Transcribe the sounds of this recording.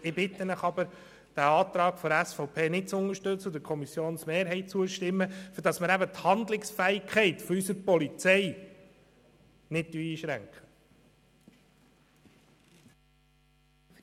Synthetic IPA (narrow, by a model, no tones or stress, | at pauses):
ɪbɪt̪ːənəχɑbəɾ | d̥æɑːt̪ɾɑːkfɔɾæsfɔʊpʰeːnɪt̚t͡sʊnəʃtɵt͡sːəd̥̪əkʰɔmisjoːnsmeːɾɦɛɪt͡suəʃtɪmːəfyɾdɑsməɾæbət̪hɑnd̪lɪksfæɪkʰɛɪt̪fɔysəɾpɔlit͡sɛɪ | nɪt̚dyiːʃɾæŋkχə̥